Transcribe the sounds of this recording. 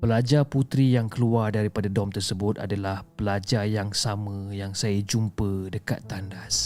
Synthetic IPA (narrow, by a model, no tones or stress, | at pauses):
pəlad͡ʒaput̪ɾijaŋkəluardaɾipadadɔmt̪ərsəbʊt̪a̰dalahpəlad͡ʒajaŋsamə̃jaŋsajəd͡ʒumpədəka̰t̪ːandas